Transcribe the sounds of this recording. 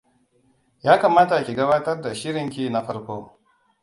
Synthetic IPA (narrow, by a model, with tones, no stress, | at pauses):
jaː˦ka˨maː˦ta˨kʲi˨ɡɐ˦baː˦tɐ˦rda˨ʃɪ˦ɾɪ˨ŋkʲi˦na˨ɸɐ˦ɽkʷoː˦